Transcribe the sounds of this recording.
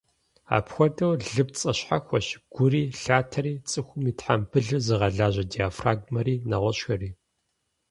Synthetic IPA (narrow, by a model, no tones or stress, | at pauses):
a̰ːpxʷɔdɐwɮɨpt͡sʼɐɕħaxʷɔɕɡ̥ʷʊriːɬaːtʰɐɾiːt͡sʼɨxʷʊmiːtħampʰɨɮɨzɨʁɐɮaːʑɐdijaːfraːɡmɐɾiːnɐʁʷɔɕxɐriː